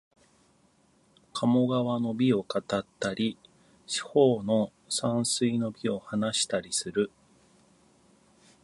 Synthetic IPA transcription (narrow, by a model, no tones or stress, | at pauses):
kʰamo̞ɡaβano̞bʲio̞kat̪at̪ːaɾʲi | ɕi̥ho̞ːno̞ | sãɰ̃sɨino̞bʲio̞hanaɕi̥t̪aɾʲisɨɾɯ̟